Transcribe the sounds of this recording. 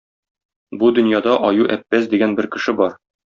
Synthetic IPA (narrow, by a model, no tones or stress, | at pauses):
bud̪ɵ̆njɑd̪ɑʔɒjuʔæpːæsd̪iɡænbɘɾkɘ̆ʃɘbɒɾ